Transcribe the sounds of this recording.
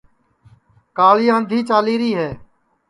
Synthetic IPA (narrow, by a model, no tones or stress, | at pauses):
kaːɭiːãːənd̪ʱiːt͡ʃaːliːɾiːɦɛː